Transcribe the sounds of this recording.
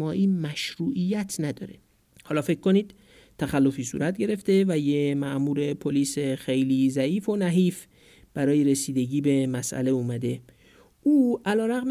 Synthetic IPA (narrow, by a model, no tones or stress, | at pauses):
ɒːʔiːmæʃɾuːʔijːæt̪ʰnæd̪ɒ̰ːɾe̞ | hɒːlɒːfe̞kʰkːoniːd̪̥ | t̪ʰæxælːo̞fiːsṵɾʔæt̪̚ʰɟe̞ɾe̞ft̪e̞væjemæʔmuːɾe̞pʰoliːsexejliːzæiːfo̞næɦiːf | b̥æɾɒːjeɾe̞siːd̪e̞ɟiːbe̞mæsʔæ̰le̞uːmæd̪e̞ | ʔuːʔælɒːɾæɣm